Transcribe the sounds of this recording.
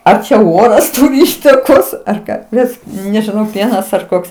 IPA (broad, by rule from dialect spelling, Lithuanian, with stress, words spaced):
ˈɐr t͡ʃʲɛ ˈoːrɐs ˈtʊrʲɪ ˈiːtɐkoːs ɐr ˈkɑː ˈbʲɛt nʲɛʒʲɪˈnɐʊ ˈpʲiɛnɐs ɐr ˈkoːks